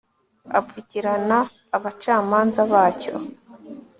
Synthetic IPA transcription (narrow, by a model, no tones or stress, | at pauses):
a̰viciɾanaː | βat͡ʃaːmaːnzaβaːco̰